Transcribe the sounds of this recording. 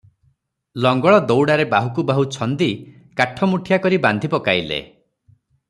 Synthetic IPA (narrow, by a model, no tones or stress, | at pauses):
lɔŋɡɔɭɔd̪owɽaɾebaɦukubaɦut͡ʃʰɔnd̪i | kaʈʰɔmuʈʰijakɔɾiband̪ʱipɔkajlḛ